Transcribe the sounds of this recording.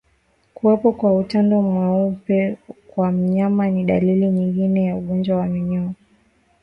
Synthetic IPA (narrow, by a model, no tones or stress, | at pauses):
kuwɛpɔkwautandɔmwaupɛkwam̩ɲamaniɗaliliɲiŋɡinɛjauɠɔnd͡ʒwawamiɲɔm